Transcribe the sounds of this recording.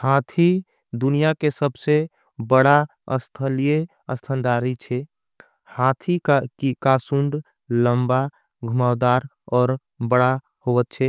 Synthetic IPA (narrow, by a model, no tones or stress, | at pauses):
haːt̪ʰi | d̪ʊnijakesəbse | bəɽa | ə̰st̪ʰəlije | əst̪ʰənd̪aːɾit͡ʃʰɛ | hat̪ʰikikasuɳɖ | ləmba | ɡʱʊmaːd̪aːɾ | ɔːɾ | bəɽa | hoʋət̪̚t͡ʃʰɛ